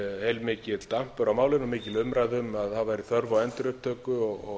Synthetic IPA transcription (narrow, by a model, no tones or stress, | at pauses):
hejlmɪːcɪt̪l̥t̪am̥pʏɾawmaːwlɪnɔmɪːcɪlʏmɾajðʏmaðaðvajɾiθœɾvawɛnt̪ɾʏpp̚t̪ʰœːkʏɔɣɔɣ